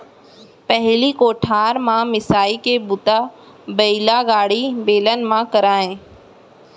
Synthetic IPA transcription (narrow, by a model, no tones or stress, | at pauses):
pɐɦɪlikoːʈʰaːɾmãmɪsaːikebʊt̪a | bɐɪlaɡaːɽibeːlən̆mãkɐɾaːɦẽː